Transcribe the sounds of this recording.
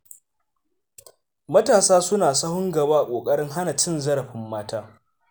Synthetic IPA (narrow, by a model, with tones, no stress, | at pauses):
mɐ˦taː˨saː˦sʊ˦naː˨sɐ˦hʊ˦ŋɡɐ˨baː˦ʔa˨kʷʼoː˨kʼɐ˦ɽɪ˦ŋɦa˦na˨t͡ʃɪ˦nzɐ˦ɾɐ˨ɸɪ˦mːaː˦taː˦